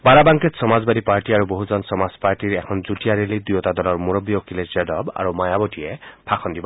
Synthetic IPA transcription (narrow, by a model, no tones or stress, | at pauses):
baɾabaŋket̪sɔmazbad̪ipaɹʈiaɹuboɦud͡ʒɔnsɔmazpaɹʈiɹɛkʰɔnd͡ʒuʈijaɾelid̪ujɔt̪ad̪ɔlɔɹmuɾɔbijokilesedɔba̰ɹumajabɔʈiepʰakʰɔnd̪ibɔ